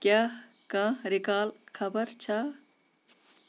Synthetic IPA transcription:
kjaː | kãːɾikaːlkʰɐbəɾt͡ʃʰa

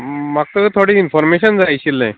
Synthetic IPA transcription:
mak̚t̪ət̪ʰoɽiːnfɔɾmeɕənd͡zajɕilːḛ̃

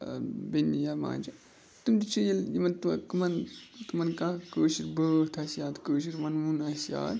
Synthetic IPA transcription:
benːijaːmã̰ːnd͡ʒɐ | t̪umd̪it͡ʃʰujɐljimɐnt̪kumɐnt̪umɐnkãːkəːʃiɾbəːt̪ʰasjaːt̪kəːʃiɾmɐnmunasja̰ːd̪

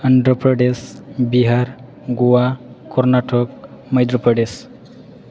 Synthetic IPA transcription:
əɳɖɾəpɾəɖesbiɦaɾ | ɡuwakɔɾnaʈʰokməjd̪ɾopɾəɖes

